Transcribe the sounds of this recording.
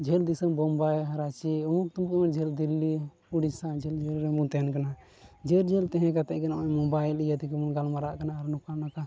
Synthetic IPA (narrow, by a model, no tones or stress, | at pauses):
d͡ʒʱɛld̪isambɔmbajɾat͡ʃiɔmuk̚t̪umukmand͡ʒʱɛld̪ilːi | uɽisad͡ʒʱɛld͡ʒɛɾɾɛmũt̪ɛnkana | d͡ʒeɾd͡ʒʱɛlt̪ɛɦɛ̃kat̪ɛʔ̚kanamamɔbajlijat̪ikɛmunɡalmaɾaʔkanaːɾnɔkanaka